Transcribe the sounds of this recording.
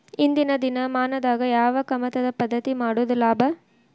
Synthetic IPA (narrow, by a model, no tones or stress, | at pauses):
ind̪inɐd̪inɐmaːnɐd̪aːɡɐjaːʋɐkɐmɐt̪ɐd̪ɐpɐd̪ːɐt̪imaːɽud̪ulaːbɐ